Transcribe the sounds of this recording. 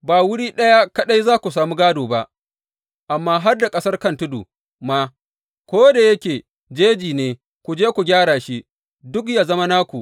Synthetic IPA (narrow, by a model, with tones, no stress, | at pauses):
baː˨wʊ˦ɽiː˦ɗɐ˦ja˦kɐ˦ɗa˦jzaː˦kʷu˨saː˨muː˦ɡaː˦doː˨ba˦ʔ | ʔa˨mːaː˦ɦa˦rda˨kʼɐ˦sɐ˦rkɐ˦ntʊ˦dṵ˨ | ma˦ | kʷoː˦da˨jɐ˦kʲeː˨ | d͡ʒeː˦d͡ʒiː˨neː˨ | kʷu˨d͡ʒeː˦kʷu˨ɡʲaː˦ɽaː˨ʃi˦ | dʊ˦k̬jaː˨zɐ˦ma˦naː˦kʷu˨